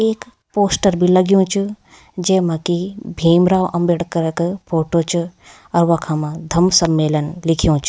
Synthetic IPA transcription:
eːk | poːsʈəɾbʱilɐɡijũːt͡ʃʰu | d͡ʒeːmɐkibʱiːmɾaːʋʔɐmbeɽkɐɾɐkpʰoːʈoːt͡ʃʰu | ɐɾʋɐkʰaːmãd̪ʱɐmsɐmːeːlɐnlɪkʰijõːt͡ʃʰu̥

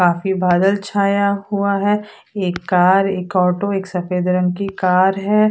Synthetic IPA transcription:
kaːfibaːd̪əlt͡ʃʰaːjaɦuaɦɛː | eːkːaːɾeːkɔːʈoeːksɐfeːd̪ɾə̃nkikaːɾɦɛː

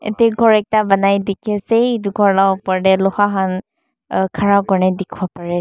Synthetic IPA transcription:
ḛtɛɡʱɔɹɛk̚tabanajdikʰisetuɡʱɔɹlawpɔɹdɛlɔhaɦan | kʰaɹakɔɹnɛdɛkʰbɔpaɹɛ

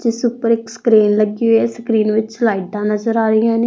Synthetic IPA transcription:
d͡ʒɪsʊpəɾɪksə̥kɾiːnləɡioɛːsəkɾiːnʋɪt͡ʃlaːiʈãːnəzəɾaːɾɪjãːneː

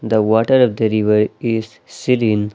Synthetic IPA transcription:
d̪əʋɔːʈəɾɔʋd̪əɾɪʋəɾɪz | sɪlĩn

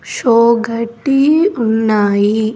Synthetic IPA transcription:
ʃoːɡʱɐʈːiunːaːji

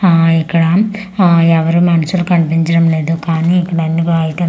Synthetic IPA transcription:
ikːɐɽaːm | ɛʋɐɾumɐnɐsulkɐɳpiɲd͡ʒɐɾɐmleːd̪ukaːniikːɐɽɐnːikaːjiʈːɐ

